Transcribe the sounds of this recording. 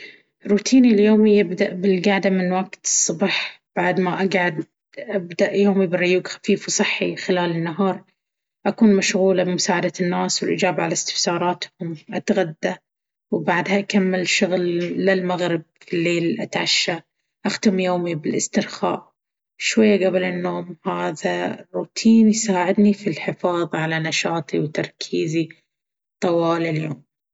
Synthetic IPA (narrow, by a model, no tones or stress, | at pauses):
ɾuːt̪ʰiːniljoːmijɪbd̪aʔbɪlɡaʕd̪amɪnwaɡt̪ɨsˤːɑbħ | b̥aʕd̪maʔaɡʕad̪ | ʔabd̪aʔjoːmibɪrˤːʊjuːɡxḁfiːfwsˤɨħːixɪlaːlɪnːaɦɑːɾˤ | ʔakuːnmaʃɣuːlabɪmʊsaːʕad̪anːaːswɪlʔɪ̰d͡ʒaːbʕa̰last̪ɪ̥fsɑːɾˤɑːt̪hʊmʔat̪ɣad̪ːa | wbaʕd̪haʔakamːɪlʃʊɣlːɪlmaɣɾɪb̚filːeːlʔat̪ʕaʃːa | ʔaxt̪ʊmjoːmibɪlʔɪst̪ɪɾxa̰ːʔ | ʃwajːaɡablɪnːoːmhaːðarːuːt̪ʰiːnjsaːʕɪd̪nifilħɪfɑːðˤʕalanaʃɑːt̪ˤiwt̪ɑɾˤkʰiːzi | t̪ˤɑwɑːlaljoːm